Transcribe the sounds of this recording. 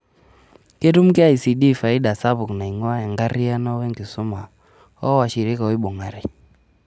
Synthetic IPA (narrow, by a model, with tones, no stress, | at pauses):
ke˦tu˦m̩˦kɛ˦a˦i˨si˨ɗi˦˨fa˨i˦ɗa˨sa˦βu˨kna˨i˨ŋwa˦ɛ˨ŋɡa˦ɾi˦a˦nɔ˦wɛ˦ŋɡi˨su˦ma˨ | ɔ˦wa˨ʃi˨ɾi˦ka˨ɔ˦i˦ɓɔ˨ŋa˨ɾi˨